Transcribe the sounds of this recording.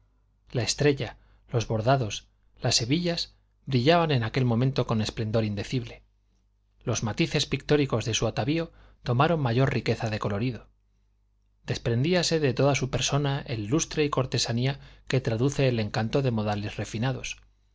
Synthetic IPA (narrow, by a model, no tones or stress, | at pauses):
lae̞st̪ɾe̞ʎa | lo̞zβo̞ɾðaðo̞s | lasːe̞βiʎas | bɾiʎaβane̞nake̞lmomẽnt̪o̞ko̞ne̞sple̞nd̪o̞ɾind̪e̞θiβle̞ | lo̞zmat̪iθe̞spik̚t̪o̞ɾiko̞zðe̞suat̪aβio̞ | t̪o̞maɾo̞mmaʝo̞ɾrike̞θaðe̞ko̞lo̞ɾiðo̞ | d̪e̞spɾe̞nd̪iase̞ðe̞t̪o̞ðasupe̞ɾso̞naʔḛlːust̪ɾeiko̞ɾt̪e̞saniake̞t̪ɾaðuθe̞ːle̞ŋkant̪o̞ðe̞mo̞ðalesre̞finaðo̞s